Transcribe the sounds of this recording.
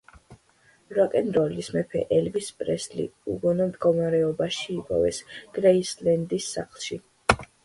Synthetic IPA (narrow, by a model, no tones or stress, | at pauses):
ɾakʼɛnɾɔlismɛpʰɛ̰ʔɛlvispʼɾɛslḭuɡɔnɔmd̪ɡɔmaɾɛɔbaʃiːpʼɔ̰vɛ̰sɡ̥ɾɛislɛnd̪isːa̰χlˠʃi